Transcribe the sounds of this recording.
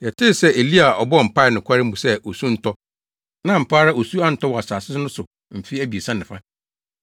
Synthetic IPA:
jɛ˨tʰɪ˦˨sɛ˦e˨li˦a˨ɔ˨bɔ˦ɔ˨m̩˨pʰa˦ɪ˨nʊ̃˨kʰʷa˦ɾɪ˦m̩˦bũ˨sɛ˦ʔo˨sũ˦n̩˦tʰɔ˦ | nã˦˨m̩˨pʰaː˦ɾa˦o˨su˦ã˦n̩˦tɔ˦wɔ˨a˨saː˨sɪ˦sɪ˦nʊ̃˦sʊ˨ | m̩˨fi˦æ˦bi˨e˨sã˦nɪ̃˨fã˦

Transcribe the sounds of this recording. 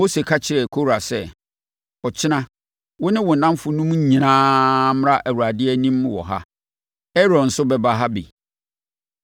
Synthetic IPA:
o˦se˨kʰa˦t͡ɕʰɪ˨ɾɛ˨kʰo˦ɾa˨sɛ˦ | ɔ˨t͡ɕʰɪ˦nã˦ | wʊ˦nɪ̃˦wʊ˨n̩˨nã˦m˦fʊ˨nũ˦m˦˨ɲĩ˨nãː˦m̃˦ɾã˦ʔæ˨wu˨ɾa˨dɪ˦ɛ˦nĩ˦m̃˨wɔ̰˨ɦa̰˦ | ɛ˦ɾɔ̃˨n̩˨sʊ˦bɛ˦ba˦ɦa˦bḭ˨

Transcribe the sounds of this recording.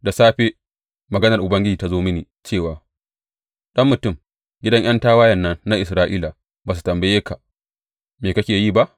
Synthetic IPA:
da˨saː˦ɸe˦ | mɐ˨ɡɐ˦nɐ˨rʔʊ˨bɐ˦ŋɡʲɪ˦d͡ʒiː˨ta˦zoː˦mɪ˦niː˨ | t͡ʃeː˦˨waː˨ | ɗɐ˦mːʊ˨tʊ˦˨m | ɡʲɪ˦dɐ˦ɲj̰ɐ˦ntaː˦waː˦jɐ˨nːɐ˦nːa˦ʔɪ˨s̬ɾaː˦ʔiː˦la˨ | baː˨s̬u̥˨tɐ˨mbɐ˦jeː˦ka˨ | meː˨kɐ˦kʲeː˨jiː˦˨ba˦ʔ

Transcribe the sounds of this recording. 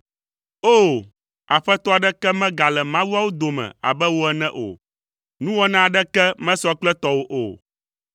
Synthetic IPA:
o˦ | a˨ɸɛ˦t̪ɔ˦a˨ɖɛ˦kɛ˦mɛ̃˦ɡa˨lɛ˨mã˦wu˦a˦wo˦d̪o˨mɛ̰̃˨a̰˨bɛ˦wo˦ɛ˨nɛ̃˦ʔo̰˨ | nũ˦wɔ˦nã˦a˨ɖɛ˦kɛ˦mɛ̃˦sɔ˦k͡plɛ˦t̪ɔ˦wo˦ʔo̰˨

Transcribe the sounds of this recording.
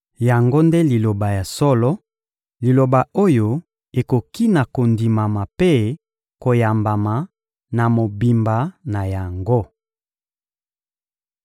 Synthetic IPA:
ja˨ŋɡo˦nde˦li˨lo˨ba˨ja˨sɔ˦lɔ˦ | li˨lo˨ba˨o˦jo˦ | e˨ko˨ki˦na˨ko˨ndi˨ma˨ma˨pe˦ | ko˨ja˨mba˨ma˨ | na˨mo˨bi˨mba˨˦na˨ja˨ŋɡo˦

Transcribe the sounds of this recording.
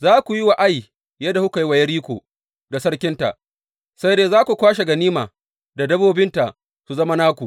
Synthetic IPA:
zaː˦kʷu˨ji˦wa˨ʔa˦j | jɐ˦da˨hu˦ka˨ji˦wa˨jɐ˦ɽiː˦kʷo̰ː˨ | da˨sɐ˦ɽkʲɪ˦nta̰˨ʔ | sa˦jdeː˦zaː˦kʷu˨kʷaː˦ʃ̬e˨ɡɐ˨niː˦maː˨ | da˨dɐ˦boː˦bɪ˦nta˨ʔ | su˨zɐ˦ma˦naː˦kʷu˨ʔ

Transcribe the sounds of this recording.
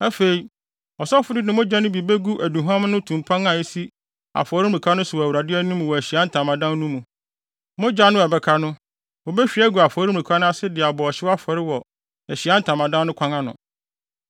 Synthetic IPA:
ɛ˦fe˨i˨ | ɔ˨sɔ˦fʊ˦ɾɪ˦nɪ̃˨mʊ̃˦d͡ʑa˦nʊ̃˦bi˨be˦ɡu˦ʔæ˨du˨ɦã˦mnʊ̃˦tʰũ˨m˨pʰã˦ŋã˨e˦si˦ | a̰˨fɔ˨ɾi˦m˨ɾĩ˨kʰa˦nʊ̃˦sʊ˨wɔ˨æ˨wu˨ɾa˨dɪ˦ɛ˦nũ˦m̃˨wɔ˨æ˨ɕi˨a˦n̩˦tʰã˨mã˨dã˦nnũ˦mũ˨ | mʊ̃˦d͡ʑa˦nʊ̃˦ɛ˨bɛ˦kʰa˦nʊ̃˦ | wɔ˨bɛ˦ɕᶣi˨˦æ˦ɡu˨a˨fɔː˨ɾi˦m̩˨ĩ˨kʷʰa˦nʊ̃˦a˦sɪ˦dɪ˨a˨bɔ˨ɔ˨ɕɪ˦wa˦fɔ˨ɾɪ˦wɔ˨ | æ˨ɕi˨a˦n̩˦tʰã˨mã˨dã˦nʊ̃˦kʰʷã˦ŋã˦nʊ̰̃˨

